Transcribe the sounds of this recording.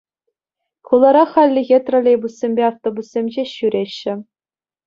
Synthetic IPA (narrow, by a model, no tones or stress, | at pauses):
kulˠɑɾɑχɑlʲːɘ̆ɣʲet̪rŏlʲejbusːʲemʲbʲeɑft̪obusːʲemʲʑeɕyɾʲeɕːɘ̆